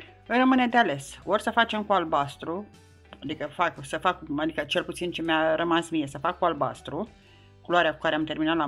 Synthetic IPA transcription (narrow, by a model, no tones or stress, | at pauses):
ɨjrəmɨne̞d̪eale̞sorʲsəfat͡ʃe̞mkualbast̪ɾu | ad̪ikəfaksəfakad̪ikət͡ʃe̞lput̪sint͡ʃe̞mjarəmansmije̞səfakːualba̰st̪ɾu | kuloaɾeaku̥kaɾeamt̪e̞rminat̪la